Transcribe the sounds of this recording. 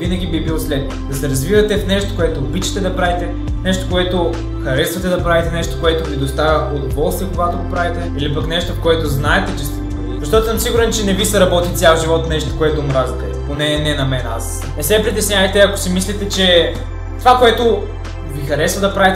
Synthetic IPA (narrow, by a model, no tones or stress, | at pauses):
vinɐɡʲibibilˠslɛt̪ | d̪ɐsɛɾɐzvivɐt̪ɛfnɛʃt̪o̥koɛt̪oːbit͡ʃɐ̥t̪ɛd̪ɐpɾavit̪ɛ | nɛʃt̪okoɛt̪o | xɐɾɛsvɐt̪ɛd̪ɐpɾavit̪ɛnɛʃt̪o̥koɛt̪ovid̪ost̪avʲɐʔʊd̪ovɔlˠst̪viɛkoɡat̪oɡopɾavit̪ɛilipɐknɛʃt̪ofkoɛt̪oznaɛt̪ɛt͡ʃɛs | zɐʃt̪ɔt̪osəmsiɡʊɾɛnt͡ʃɛnɛvisɐɾɐbɔt̪it̪sʲjalˠʒivɔt̪nɛʃt̪o̥koɛt̪omɾazb̪ɛponɛnɛnɐmɛna̰s | nɛsɛpɾit̪ɛsnʲjavɐjt̪ɛɐko̥simislit̪ɛt͡ʃɛ | t̪ovakoɛt̪o | vixɐɾɛsvɐd̪ɐpɾavit̪